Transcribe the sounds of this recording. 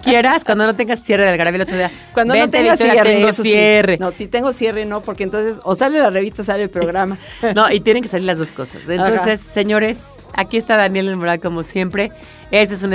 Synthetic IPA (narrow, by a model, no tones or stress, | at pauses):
kjeɾaskwand̪o̞no̞t̪e̞ŋɡasːje̞reðelɣaɾaβelot̪ɾoðia | kwand̪obeont̪eiatoɾaet̪eŋɡosseerenot̪it̪eŋɡosjerenopoɾkent̪onsesosalelareβist̪asaleelpɾoɣɾama | no̞ʔit̪jene̞ŋke̞saliɾlazðo̞sko̞sa̰senonsesːe̞ɲo̞ɾe̞s | akiest̪aðanje̞lelmoɾalko̞mo̞sje̞mpɾe̞ | eses̬un